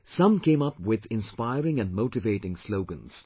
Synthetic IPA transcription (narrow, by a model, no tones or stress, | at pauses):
sʌ̃mkʰẽɪ̃mʌpwɪðɪ̃nspaɪɹɪ̃ŋɨ̃nmoʊtɨveɪɾɪ̃ŋsloʊɡə̃nz̥